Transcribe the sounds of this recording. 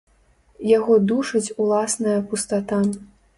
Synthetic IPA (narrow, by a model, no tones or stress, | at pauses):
jaɣɔd̪uʂɐt͡sʲulˠasnɐjɐpust̪at̪a